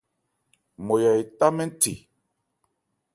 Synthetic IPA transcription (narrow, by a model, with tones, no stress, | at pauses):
mo˨ja˨i˨ta˦mɛ˦n˦tḭ˨